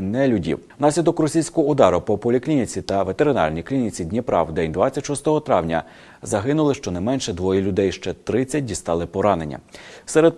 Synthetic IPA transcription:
nɛlʲʊdʲḭw | nɑsʲlʲid̪ɔkrɔsʲijsʲkɔɦɔʊd̪ɑɾʊpɔpɔlʲiklʲinɪt͡sʲit̪ɐʋet̪e̞ɾɪnɑ̰rnʲiklʲinɪt͡sʲidʲnʲipɾɑ̰wd̪ɛnʲd̪ʋɑt͡sʲːɐtʲʃɔst̪ɔɦɔt̪ɾɑwnʲɐ̰ | zɐɦɪnʊlˠɪʃt͡ʃɔnemɛnʃɛd̪ʋɔjilʲʊd̪ɛjʃt͡ʃɛt̪ɾɪt͡sʲːɐt̚ʲdʲist̪ɑlˠɪpɔɾɑnenʲːɐ̰sɛɾed̪̚

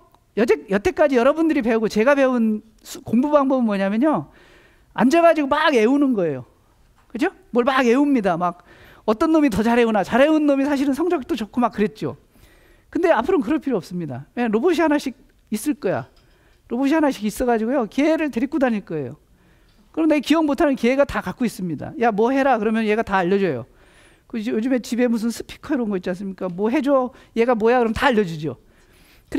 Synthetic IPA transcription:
jʌd͡ʑejʌtʰe̞k͈ad͡ʑijʌɾʌbundɯɾipe̞uɡot͡ɕe̞ɡape̞un | sʰkoŋbubaŋbʌbɯnmwʌɲamjʌɲo | a̰nd͡ʑʌɣad͡ʑiɡomaɡe̞unɯnɡʌe̞jo | kɯd͡ʑo | mwʌɭpaɡe̞umɲidamaɡ̚ | ʌt͈ʌnːomitʌd͡ʑaɾɦe̞unat͡ɕaɾɦe̞unːomisʰaɕ̬ʰiɾɯnsʰʌŋd͡ʑʌk̚t͈ot͡ɕʌkʰomak͈ɯɾe̞t̚t͡ɕ͈o̰ | kɯnde̞apʰɯɾonk̬ɯɾʌɭpʰiɾoʌp̚s͈ɯmɲida̰weanɾoboɕʰihanaɕ͈iɡ̚ | is͈ɯɭk͈ʌja̰ | ɾoboɕ̬ʰihanaɕʰiɡis͈ʌɣad͡ʑiɡojokeeɾɯɭtwe̞ɾik͈udaɲiɭk͈ʌe̞̰jo̰ | kɯɾʌmneakiʌŋmotʰanɯnkeeɡatakak͈ois͈ɯmɲida̰jamwʌɦe̞ɾakɯɾʌmjʌnje̞ɡataːʎːʌd͡ʑojo̰ | kɯjod͡ʑɯme̞t͡ɕibe̞mus̬ʰɯnsʰɯ̥pʰi̥kʰʌeɾonɡʌit̚t͡ɕians̬͈ɯmɲik͈amwʌɦe̞d͡ʑoje̞ɡamwʌjakɯɾʌmntaːʎːʌd͡ʑud͡ʑo | kɯɾ

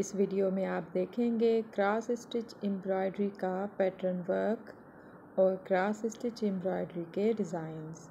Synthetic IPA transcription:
ɪsʋiːɖijomẽaːpd̪eːkʰẽːŋɡekɾaːsɪsʈɪt͡ʃɪ̃mbɾɔːɪɖɾikapɛːʈɾənʋəɾk | ɔːɾkɾaːsɪsʈɪt͡ʃɪ̃mbɾɔːɪɖɾikeɖɪzaːɪnz

